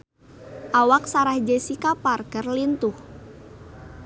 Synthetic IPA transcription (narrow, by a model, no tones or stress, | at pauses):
ʔawak̚saɾahd͡ʒɛsikaparkərlint̪uh